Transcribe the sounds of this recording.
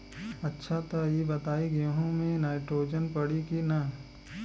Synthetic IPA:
ɐtːʃʰat̪ɐjebɐt̪aːiɡjõɦõmẽnaːɪʈɾoːd͡ʒənpɐɽikina

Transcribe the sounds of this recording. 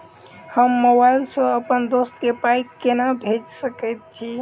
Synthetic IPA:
həmːobailsə̃əpənd̪ost̪kepajkːenabʱed͡ʒsəkɛjt̪̚t͡ʃʰi

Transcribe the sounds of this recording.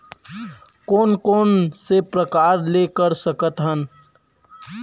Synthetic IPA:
koːnkoːnsepɾəkaːɾlekəɾsəkət̪ɦən

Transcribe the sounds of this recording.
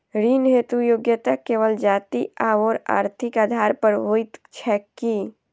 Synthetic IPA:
ɾiːnɦeːt̪ujoːɡjət̪akeːʋəld͡ʒaːt̪iaːʋɔːɾa̰ːɾt̪ʰɪkaːd̪ʱaːɾpəɾɦoːit̪t͡ʃʰɛːkːi

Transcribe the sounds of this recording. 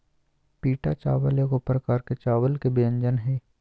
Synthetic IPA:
piːʈat͡ʃaːʋəljəkopɾəkaːɾket͡ʃaːʋəlkebijə̃ɲd͡ʒənɦɛː

